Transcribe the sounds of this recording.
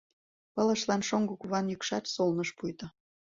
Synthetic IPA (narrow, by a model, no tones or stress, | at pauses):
pɤ̆lə̆ʃlɑnʃoŋɡokuβɑnjəkʃɑt̪solnɤʃpujt̪ɤ̆